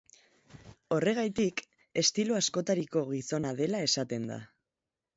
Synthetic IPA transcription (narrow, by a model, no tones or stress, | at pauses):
o̞re̞ɣ̞ajt̪ik | e̞st̪iloasko̞t̪aɾiko̞ɣ̞iso̞nað̞e̞lae̞sat̪e̞nd̪a̰